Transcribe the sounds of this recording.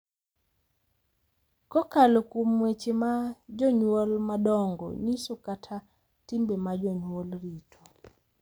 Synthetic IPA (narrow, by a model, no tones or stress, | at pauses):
kɔkalokwomwet͡ʃemad͡ʒɔɲwolmadɔŋɡɔ̰ɲisokatʰa | timbemad͡ʒɔɲwolɾitʰo